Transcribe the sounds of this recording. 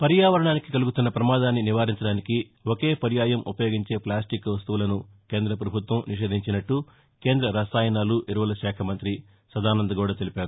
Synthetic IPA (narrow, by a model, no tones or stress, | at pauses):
pɐɾjaːʋɐɾɐɳaːnikikɐluɡut̪unːɐpɾɐmaːd̪aːnːiniʋaːɾiɲt͡ʃɐɽaːniki | woke̞ːpɐɾjaːjɐmʔupɐjoːɡiɲt͡ʃe̞ːplaːsʈikʋɐst̪uʋulɐnu | ke̞ːnd̪ɾɐpɾɐbʱut̪ʋɐmniʃ̬e̞ːd̪ʱiɲt͡ʃinɐʈːu | ke̞ːnd̪ɾɐɾɐsaːjɐnaːluʔiɾuʋɐlɐʃɛːkʰɐmɐnt̪ɾi | sɐd̪aːnɐnd̪ɐɡuːɽaːt̪elipaːɾu